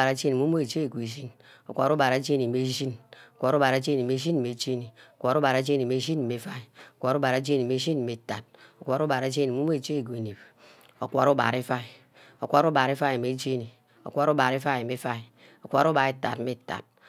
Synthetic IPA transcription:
a˨ɾa˨˦d͡ʒe˦ni˨mu˦mu˦e˨t͡ʃe˦˨ɡʷe˨ʒi˦n | o̰˨kʷa˨ɾu˦ba˨ɾa˨˦d͡ʒe˦ni˨me˦ʒi˦no˨kʷa˨ɾu˦ba˨ɾa˨˦d͡ʒe˦ni˨me˦ʒi˦n˨e˨d͡ʒe˦ni˨o˨kʷa˨ɾu˦ba˨ɾa˨˦d͡ʒe˦ni˨me˨˦ʒi˦n̩˦˨me˨˦fa˦i˨o˨kʷa˨ɾu˦ba˨ɾa˦d͡ʒe˦ni˨m˦e˨˦ʒi˦n̩˨me˨ta˨t̚o˨kʷa˨ɾu˦ba˨ɾa˨˦d͡ʒe˦ni˨mu˦mo˦e˨t͡ʃe˦˨ɡʷe˨ne˨b | o˨kʷa˨ɾu˦ba̰˨ɾi˦fa˦i˨ | o˨kʷa˦ɾu˦ba˨ɾe˦fa˦˨me˨d͡ʒe˦ni˨ | o̰˨kʷa˦ɾu˦ba˨ɾi˦fa˦˨me˦fa˦i˨ | o˨kʷa˨ɾu˦ba˨e˦ta̰˨tme˦ta̰˨t̚

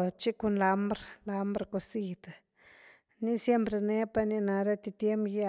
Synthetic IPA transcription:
t͡ʃi˦ko˧nla˧mbɾla˧mbɾko˧si˨t̪a˨ | ni˦sje˦mpɾe˧ne˦pa˧ni˧na˧ɾa˦t̪i˧t̪je˦mpja˦

